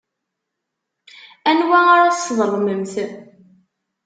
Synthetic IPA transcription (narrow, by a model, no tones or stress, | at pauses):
ænwæaɾasðˤəlˤməmθ